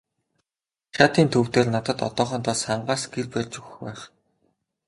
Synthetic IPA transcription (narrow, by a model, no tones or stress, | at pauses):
xʲaːt̪iːnt̪ʰɵw̥t̪eːrnat̪ə̆t̪ɔ̰t̪ɔːχɞ̆ːnt̪ʰɔsχaɴɢaːsɡerpærʲt͡ɕɵxɘxpæːχ